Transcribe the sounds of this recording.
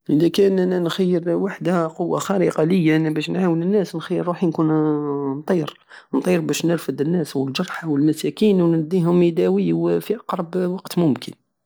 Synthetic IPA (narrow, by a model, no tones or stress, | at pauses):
ʔəd̪ækænænænxæjːəɾwaħd̪æqʊwːa̰xæɾiqɑləjːæbæʃnʕawənənːæsnxæjːəɾːuħinkunnt̪ˤiɾ | nt̪ˤiɾbæʃnəɾfəd̪ənːæswəld͡ʒɑɾˤħawəlmæsækinwnd̪ːiɦʊmid̪æwiwfiʔɑqɾˤɑbwɑqt̪mʊmkʰə̰n